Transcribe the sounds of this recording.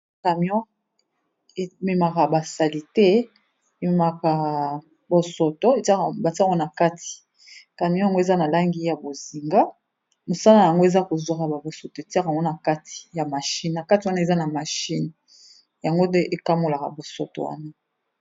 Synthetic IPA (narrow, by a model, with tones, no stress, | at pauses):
ka˨m˦ɔ̃˦ | e˨me˨ma˨ka˨ba˨sa˨li˨tɛ˦ | e˨me˨ma˨ka˨ | bo˨so˨to˦e˨ta˦˨ba˨ti˦o˦na˨ka˦tʰi̥˨ | ka˨mjɔ̃˦ja˨ŋɡo˦e˨za˦na˨la˦ŋɡi˦ja˨bo˨zi˨ŋɡa˦ | mo˨sa˦la˨a˨ŋɡo˦e˨za˦ko˨zwa˨ka˨ba˨bo˨so˨to˨e˨ti˦a˦ka˨ŋɡo˦na˨ka˦ti̥˨ja˨ma˨ʃi˦n˨na˨ka˦ti˨wa˦na˦e˨za˦na˨ma˨ʃi˦n | ja˨ŋɡo˦nɛ˦ʔe˨ka˦mo˦˨la˨ka̰˨bo˨so̰˨to̰˨wa̰˦na˦